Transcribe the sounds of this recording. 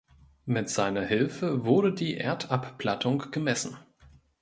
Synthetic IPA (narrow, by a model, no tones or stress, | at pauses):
mɪtz̥aɪnɐhɪlfəvʊɐɾədiːʔeːɐtʰappl̥atʰʊŋɡ̥əmɛsn̩